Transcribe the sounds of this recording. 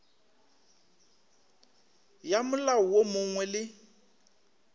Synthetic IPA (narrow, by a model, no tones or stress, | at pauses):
jamʊlaɔwomʊŋwɛlɪ